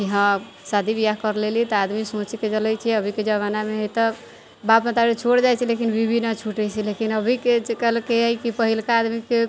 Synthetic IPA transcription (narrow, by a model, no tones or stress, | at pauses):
iɦã | sad̪ʱibijaɦkəɾlelit̪ɔad̪misõt͡ʃiked͡ʒəlɛjt͡ʃʰɛəbʱiked͡ʒəβanameɦət̪ɔ | bapə̃t̪aɾet͡ʃʰoɽd͡ʒajt͡ʃʰilekinbibʱinət͡ʃʰuʈɛjt͡ʃʰɛlekinəbʱikekəɦlkeɦəjkipəɦilkaːd̪mike